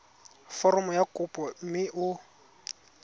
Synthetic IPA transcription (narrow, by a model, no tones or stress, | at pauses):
fɔrɔmʊjakʼʊpʼɔmɪʔʊ